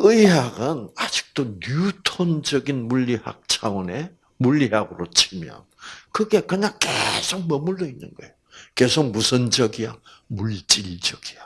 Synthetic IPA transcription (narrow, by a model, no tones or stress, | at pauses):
ɯiɦaɡɯnad͡ʑi̥k̚t͈onutʰond͡ʑʌɡinmuʎːiha̰k̚t͡ɕʰawʌne̞ | muʎːiɦaɡɯɾot͡ɕʰimjʌ̰nkɯɡe̞kɯɲaŋkesʰoŋ̚mʌmuɭːoinːɯnɡʌe̞joke̞sʰoŋ̚musʰʌnd͡ʑʌɡiwa̰ | muɭt͡ɕ͈iʎd͡ʑʌɡ̥ia